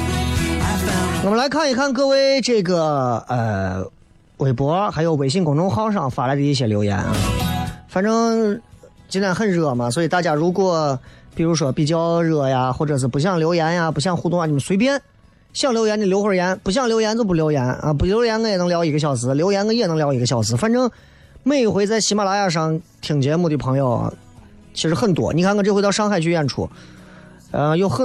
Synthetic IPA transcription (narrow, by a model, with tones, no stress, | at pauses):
wɔ˨˩mə˦la˧˥ɪkʰa˥˩ni˧˥˩kʰa˥˩nk̬ɤ˥we˥ɪʈ͡ʂɤ˥˩ɡə˩ə˧˩ | we˨˩ɪpwɔ˧˥xa˧˥ɪjo˧˩ʊwe˨˩ɪɕ̬i˥˩ŋkʊ˨˩ŋʈ͡ʂʊ˥ŋxɑ˥ʊʂ̬ɑ˥˩ŋfa˨˩la˧˥ɪd̪ə˧i˥˩ɕ̬jɛ˥˩ljo˧˥ʊjɛ̰˧˥nə̰˧˩fa˧˥nʈ͡ʂɤ˥ŋ | t͡ɕi˥na˥nxə˥˧nɻɤ˥˩mɐ˩swɔ˧˥i˨˩t̪a˥˩t͡ɕja˥ɻu˧˥kwɔ˧˩˥pi˨˩ɻu˧˥ʂ̬wɔ˥pi˨˩t͡ɕjɑ˥ʊɻɤ˥˩ja˨xwɔ˥˩ʈ͡ʂɤ˨˩ʂ̬ɹ̩˥˩pu˧˥ɕjɑ˥˩ŋljo˧˥ʊjɛ˧˥nja˨pu˧˥ɕ̬jɑ˥˧ŋxu˥˧t̪ʊ˥˧ŋa˧˩t͡ɕɤ˥˩ə˩swe˧˥ɪpjɛ˥n | ɕjɑ˥˩ŋljo˧˥jɛ˧˥ni˨˩ljo˥ʊxwə˞˧˩jɛ˧˥npu˧˥ɕ̬jɑ˥˩ŋljo˧˥ʊjɛ˧˥nt͡ɕo˥˧ʊpu˥ljo˧˥ʊjɛ˧˥nə̰˧pu˧˩ljo˧˥jɛ˧˥nkə˧˥jɛ˨˩n˧˥ŋljɑ˧˥ʊi˧˥ɡə˧ɕjɑ˧˩ʊs̬ɹ̩˥˩ljo˧˥ʊjɛ˧˥nkə˧˥njɛ˨˩nɤ˧˥ŋljɑ˧˥ʊi˧˥ɡə˧ɕjɑ˨˧˩ʊsɹ̩˧˩fa˥˧nʈ͡ʂɤ˥ŋ | me˥˩ɪxwe˧˥ɪt͡sa˥˩ɪɕi˧˥ma˥˩la˧˥ja˥˧˩ʂ̬ɑ˥˩ŋt̪ʰi˨˩ŋt͡ɕjɛ˧˥mu˥˩d̪ə˩pʰɤ˧˥ŋjo˥˧ʊ̰˨˩ | t͡ɕʰi˧˥ʂɻ̩˧˥xə˥˩nt̪wɔ̰˧˥ni˨˩kʰa˧˥nkə˧˩ʈ͡ʂxt̪ʂɑ˥ŋxa˥˧ɪt͡ɕʰy˥˧ɥɛ˥˩nʈ͡ʂʰṵ˥˩˧ | ə˧jo˥˧ʊxə˥˧